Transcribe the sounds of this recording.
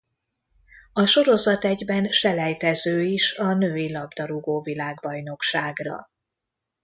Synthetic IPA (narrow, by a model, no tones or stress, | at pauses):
ɒʃo̞ɾo̞zɒt̪ɛɟbɛnʃɛlɛjt̪ɛzøːiʃɒnøːilɒbd̪ɒɾuɡoːvilaːɡbɒjno̞kʃaːɡrɒ̰